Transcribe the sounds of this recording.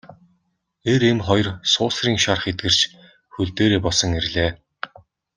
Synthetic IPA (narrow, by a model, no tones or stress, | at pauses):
eɾemχɔjrsʊːsriːŋʃarχet̪̚ɡɘ̆r̥t͡ɕ | xɵɮt̪eːɾeːpɔsɞ̆ŋerɮeː